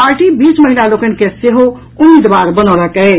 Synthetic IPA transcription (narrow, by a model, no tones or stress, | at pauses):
paɾʈibit͡ʃməɦilalokənkeseɦo | ʊmːid̪baɾbənɔləkɛ